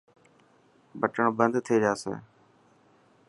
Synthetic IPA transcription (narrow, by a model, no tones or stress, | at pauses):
bəʈəɳ̃bənd̪t̪ʰeːd͡ʒaːsḛː